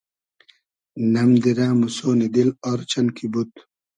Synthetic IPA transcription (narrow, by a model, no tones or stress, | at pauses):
nɐmd̪iɾaːmusoːnid̪ilɔɾt͡ɕɐnkʰibut̪